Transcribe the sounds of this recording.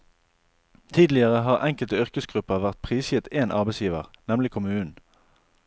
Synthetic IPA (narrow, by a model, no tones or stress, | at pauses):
t̪ʰiːd̪lɪəʁəɦɑːʁʔɛŋkəlt̪əʏʁkəsɡʁʉpəʁʋæʁt̪̚pʰʁiːsjɪt̪eːnʔɑ̰ʁbeɪsjiːʋə̰ʁnɛmlɪkʰʊmʉːn̩